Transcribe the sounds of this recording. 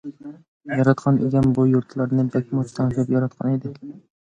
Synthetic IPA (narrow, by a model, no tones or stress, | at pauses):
jɒɾɑt̪qʰɑnʔḛɡʲanbʊjʊɾt̪ʰlaɾnɪbakʲʰmʊt͡ʃʰt̪ant͡ʃapjɒɾat̪qʰɑ̰ned̪ɪkʲ